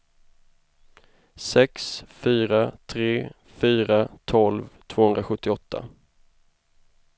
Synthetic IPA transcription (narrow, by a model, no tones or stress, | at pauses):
sɛksfyːɾat̪ʰɾeː | fyːɾat̪ʰɔlvt̪ʰv̥oːhɵnd̪ɾaɧɵt̪ːɪɔt̪ʰːa̰